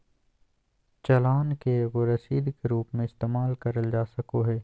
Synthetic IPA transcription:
t͡ʃɐlaːnkeʋoɾɐsiːd̪kɾuːpmẽɪst̪eːmaːlkɐɾəld͡ʒaːsɐkoɦɛː

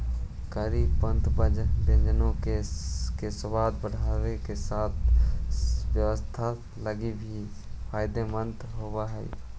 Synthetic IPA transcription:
kəɾipə̃nt̪bəd͡ʒd̪ẽnd͡ʒənõkekesʊbaːd̪̚bəɽ̤aːɾekesaːt̪̚ʰ | wjəʋəst̪ʰa | ləɡibʱii | pʰaːɪd̪emə̃nt̪ɦoːwaɦɛḭ

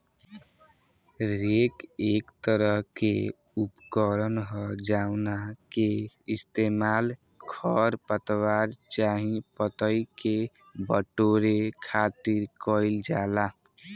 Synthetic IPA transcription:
ɾekekt̪əɾʌɦkḛ | upkəɾənɦʌd͡ʒawnakeist̪emal | kʰʌɾpət̪waɾt͡ʃaɦĩpət̪əike | bəʈoɾekʰat̪iɾkʌild͡ʒala

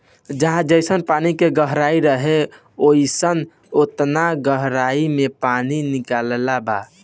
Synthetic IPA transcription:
d͡ʒəɦãd͡ʒəɪsənpanikeɡəɦɾaiɾəɦe | oisən | ot̪naɡəɦɾaimepaninikallaba̰

